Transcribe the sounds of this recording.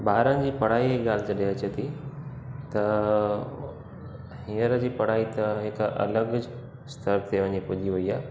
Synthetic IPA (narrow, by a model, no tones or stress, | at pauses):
baːɾənɪ̆d͡ʑiːpɐɽ̤aːiɦeɠaːlɪd͡ʑɐɗeɐt͡ɕet̪ʰi | t̪ɐ | hiːəɾə̆d͡ʑiːpɐɽ̤aːit̪ɐɦɪkʔɐ̰ləɡd͡ʑ | st̪ʰəɾt̪ʰeʋɐɲepʊd͡ʑiʋɐiaː